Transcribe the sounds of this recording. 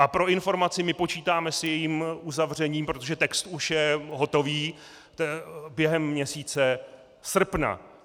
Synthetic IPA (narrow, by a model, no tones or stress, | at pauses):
ʔapɾo̞ʔɪnfo̞ɾmat͡sɪmɪpo̞t͡ʃiːt̪aːmɛsjɛjiːmʔuzavr̝ɛɲiːmpɾo̞t̪oʒɛt̪ɛkst̪uʃjɛɦo̞t̪o̞viː | t̪ɛbjɛɦɛmːɲɛsiːt͡sɛ | sr̩pna̰